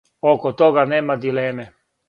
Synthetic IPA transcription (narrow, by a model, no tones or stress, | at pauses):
okot̪oɡaneːmad̪ileːme